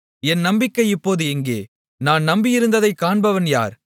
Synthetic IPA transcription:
ɛnnɐmbɪkːɐɪɪpːoːðɯɛŋɡeː | naːnnɐmbɪjɪɾɯnd̪ɐðɐɪkːaːɳbɐʋɐnja̰ːɾ

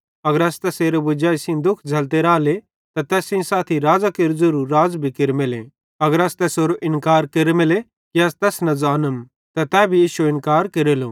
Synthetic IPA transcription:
ɐɡəɾɐst̪ɛːseːɾobʊd͡ʒaːisĩd̪ʊkʰd͡ʒʱɐlt̪eɾaːle | t̪at̪ɛːsĩsaːt̪ʰiɾaːd͡zakeɾd͡zuɾuːaːzbʱikɪɾemɪlḛ̃ | ɐɡəɾɐst̪ɛːsoːɾoʔɪ̃nkaːɾkeɾemɪle | kiɐst̪ɛːsnɐd͡zaːnəm | t̪at̪ɛːbʱijiːʃuɪnkaːɾkeɾeloː

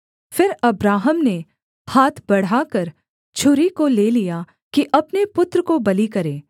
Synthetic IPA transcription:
fɪɾɐbɾaːɦəmne | haːt̪ʰbɐɽ̤akɐɾ | t͡ʃʰʊɾikoleːlija | kiʔɐpnepʊt̪ɾəkobɐlikɐɾẽː

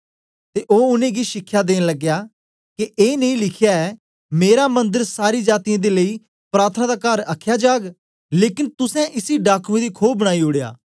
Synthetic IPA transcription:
t̪eːʔoːʊnẽːɡiːʃɪkʰːjaːd̪eːnləɡjaː | kieːnəĩlɪkʰjaɛ | meːɾamə̃nd̪əɾsaːɾiːd͡ʒaːt̪ijãːd̪eːləiː | pɾaːɾt̪ʰənãd̪aːkəɾəkʰjaːd͡ʒaːɡ | leːkɪnt̪ʊsɛ̃ʔɪsiɖaːkʰʋẽd̪iːkʰoːbːəɽ̃aːiːʊɽeja̰ː

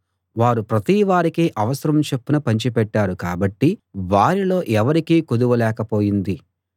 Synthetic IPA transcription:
ʋaːɾupɾɐt̪iːʋaːɾikiːʔɐʋɐsɐɾɐmt͡ʃe̞pːunɐpɐɲt͡ʃipɛʈːaːɾukaːbɐʈːiʋaːɾilo̞ːʔɛʋɐɾikiːkud̪uʋɐlɛːkɐpo̞ːjind̪i

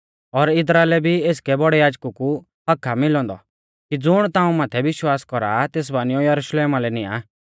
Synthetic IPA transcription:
ɔɾɪs̬ɾaːelɛbʱieːskɛbɔɽɛjaːd͡ʒkuku | ɦɐkʰːamɪlɔ̃ːnd̪ɔ̰ | kid͡zʊɽ̃t̪ãːũmaːt̪ʰɛʋɪʃwaːskɔɾat̪eːs̬baːnɪjɔjɐɾuʃleːmalɛnɪa̰ː

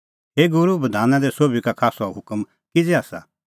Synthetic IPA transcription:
ɦeːɡʊɾubɐd̪ʱaːnãd̪ɛsoːbʱikakʰaːsɔɦʊkəm | kɪd͡zɛaːsa̰

